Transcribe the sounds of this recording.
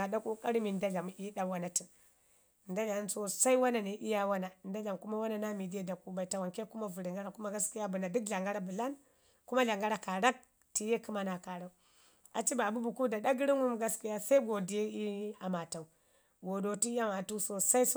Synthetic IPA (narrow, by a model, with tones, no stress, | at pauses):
a˨da˦kʼu˦kʼa˦ɾi˦mi˨n˦da˦ɮa˨m˨ʔi˦ɗa˦wa˦na˨ti˨ | nda˦ɮa˨˦nso˦sa˦i˦wa˦na˨ne˨ʔi˦ja˦wa˦na˨nda˦la˨mku˦ma˦wa˦na˨na˦mi˨di˦e˦da˨ku˦ba˨i˨ta˨wa˨nke˦ku˦ma˦vu˨ɾi˨ŋɡa˦ɾa˦ku˦ma˦ɡa˦ski˦ja˦bu˨na˨du˦kɮa˨ŋɡa˦ɾa˦bu˨la˦n | ku˦ma˦ɮa˨ŋɡa˦ɾa˨ka˨ɾa˦k̚ | ti˨je˦kɨ˦ma˨na˨ka˨ɾa˦u˦ | a̰˨t͡ʃi˦ba˨bu˦bu˨ku˦da˨ɗa˦ɡi˦ɾi˦ŋu˦m˦ɡa˦ski˦ja˦sa˦i˦ɡo˨di˨˦e˦i˦a˨ma˨ta˨u˨ | ɡo˨do˨ti˦i˦a˦ma˨tu˦so˨sa˦i˦s